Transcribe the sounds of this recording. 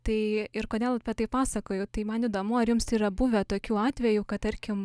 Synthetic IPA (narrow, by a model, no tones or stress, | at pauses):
t̪ɐɪɪrkoːd̪ʲeːlˠɐpʲɛt̪ɐɪppɑːsɐkoːjɛːt̪ɐɪmɐniːd̪oːmʊɐɾjʊmsiːɾɐbʊʋʲɛt̪oːkʲuːɑːt̪ʲʋʲɛjuːkɐt̚t̪ɐɾʲkʲɪm